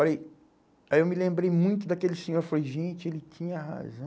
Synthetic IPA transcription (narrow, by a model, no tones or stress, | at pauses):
alej | aewmɪlẽmbɾejmũj̃t̪ʊd̪akelɪsẽɲoɾflojʒẽt͡ʃɪelɪt͡ʃĩɲɐha̰zɐ̃w